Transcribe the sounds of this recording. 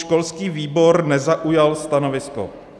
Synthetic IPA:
ʃkolskiːviːboɾnɛzaʔujalst̪anovɪsko̰

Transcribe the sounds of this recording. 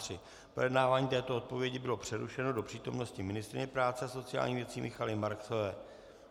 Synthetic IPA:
r̥ɪ | pɾojɛdnaːvaːɲiːt̪ɛːt̪oo̞t̪̚po̞vjɛɟɪbɪlo̞pr̝̥ɛɾuʃɛno̞do̞pr̥iːt̪o̞mno̞scɪmɪnɪst̪ɾɪ̰ɲɛpɾaːt͡sɛaso̞t͡sɪja̰ːlɲiːvjɛt͡siːmʔɪxalɪmaɾksovɛː

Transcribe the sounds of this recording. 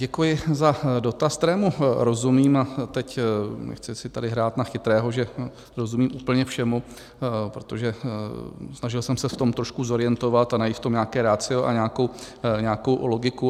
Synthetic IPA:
ɟɛkujɪzado̞t̪ask̚t̪ɛɾɛːmuɾo̞zumiːmat̪ɛcnɛ̰xt͡sɪsɪt̪adɪɦɾaːt̪naxɪt̪ɾɛːɦo̞ʒɛ | ɾo̞zumiːmʔuːpl̩ɲɛfʃɛmu | pɾot̪o̞ʒɛ | snaʒɪlsɛmsɛft̪o̞mt̪ɾo̞ʃkuzo̞ɾɪjɛnt̪o̞vat̪anajiːt̪ft̪o̞mɲaːkɛːɾat͡sɪoʔaɲaːkow | ɲaːkowlo̞ɡɪku

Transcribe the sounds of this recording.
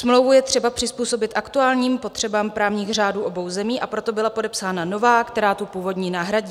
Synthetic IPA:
smlowvujɛt̪r̥ɛbapr̝̥ɪspuːso̞bɪt̪ʔakt̪uaːlɲiːmpo̞t̪r̥ɛbaːmpɾaːvɲiːɣr̝aːduːʔo̞bo̞wzɛmiːʔapɾo̞t̪o̞bɪlapo̞dɛpsaːnano̞vaːkt̪ɛɾaːt̪upuːvo̞dɲiːnaːɦɾaɟiː

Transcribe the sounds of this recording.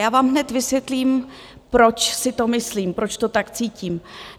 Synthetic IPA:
jaːvaːmɦnɛt̪vɪsvjɛt̪liːm | pɾo̞t͡ʃsɪt̪o̞mɪsliːmpɾo̞t͡ʃt̪o̞t̪akt͡siːciːm

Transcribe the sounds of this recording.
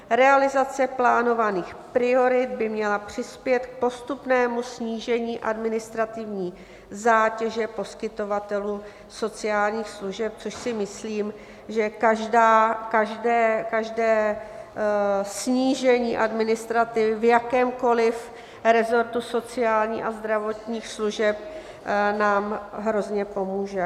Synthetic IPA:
ɾɛalɪzat͡sɛplaːno̞vaniːxpɾɪo̞ɾɪd̪̚bɪmɲɛlapr̝̥ɪspjɛt̪k̚po̞st̪upnɛːmusɲiːʒɛɲiːʔadmɪnɪst̪ɾat̪ɪvɲiː | zaːcɛʒɛpo̞skɪt̪o̞vat̪ɛluː | so̞t͡sɪaːlɲiːxsluʒɛp̚t͡so̞ʃsɪmɪsliːm | ʒɛkaʒdaːkaʒdɛːkaʒdɛː | sɲiːʒɛɲiːʔadmɪnɪst̪ɾat̪ɪvɪvjakɛːmko̞lɪf | ɾɛzo̞ɾt̪uso̞t͡sɪaːlɲḭːʔazd̪ɾavo̞t̪ɲiːxsluʒɛp̚ | naːmɦɾo̞zɲɛpo̞muːʒɛ

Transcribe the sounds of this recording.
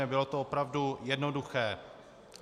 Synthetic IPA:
ɛbɪlo̞t̪oopɾavdujɛdno̞duxɛː

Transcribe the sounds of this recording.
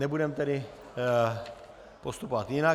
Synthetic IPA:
nɛbudɛmt̪ɛɾɪ | post̪upovat̪jɪna

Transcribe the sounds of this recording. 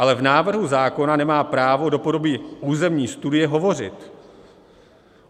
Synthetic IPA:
alɛvnaːvr̩ɦuzaːko̞nanɛmaːpɾaːvo̞do̞po̞do̞biːʔuːzɛmɲiːst̪udɪjɛɦo̞vo̞r̝ɪ̰t̪

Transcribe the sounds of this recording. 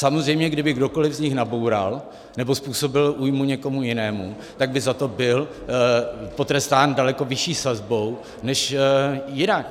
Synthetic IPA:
samozr̝ɛjmɲɛɡdɪbɪɡdo̞ko̞lɪvzɲɪxnabo̞wɾa̰l | nɛbo̞spuːso̞bɪlʔuːjmuɲɛko̞mujɪnɛːmu | t̪aɡ̚bɪzat̪o̞bɪl | po̞t̪ɾɛst̪aːndalɛko̞vɪʃiːsazbo̞w | nɛʃjɪnak

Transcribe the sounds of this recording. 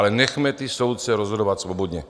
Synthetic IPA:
lɛnɛxmɛt̪iso̞wt̪̚t͡sɛɾozɦodovat̪svo̞bod̪ɲɛ

